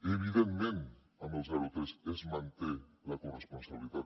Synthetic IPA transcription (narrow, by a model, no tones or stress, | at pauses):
eβ̞iðenmẽn | ambelsaɾot̪esezmãnt̪elakoresponsaβiliða